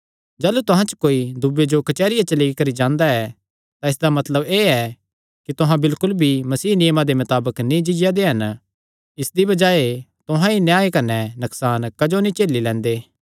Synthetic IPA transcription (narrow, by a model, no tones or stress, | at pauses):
d͡ʒaːlut̪ʊɦãt͡ʃkoːid̪ʊbed͡ʒokɐt͡ʃɛːɾɪjat͡ʃɐliikɐɾid͡ʒãːnd̪aɛ | t̪ãɪsd̪amɐt̪ləbeːɛ | kit̪ʊɦãbɪlkʊlbʱimɐsiːnɪjmad̪emɐt̪aːbəknĩd͡ʒɪd͡ʒjad̪eɦɐn | ɪsd̪ibɐd͡ʒaːet̪ʊɦãinjaːekɐnɛnɐksaːnkɐd͡ʒonĩt͡ʃeːlːilɛ̃ːnd̪eː